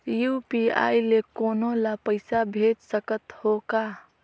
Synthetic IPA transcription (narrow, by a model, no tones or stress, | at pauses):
jupia̰jlekonolapəɪsabʱed͡ʒsəkət̪hoka